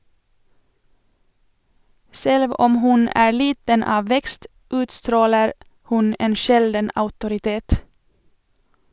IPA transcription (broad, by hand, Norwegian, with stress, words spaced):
ˈsɛlʋ ˈɔm ˈhʉn ˈæː ˈliːtən ˈɑː ˈʋɛkst ˈʉːtstɾoːləɾ ˈhʉn ˈeːn ˈʃɛldən ɑʉtʊɾɪˈteːt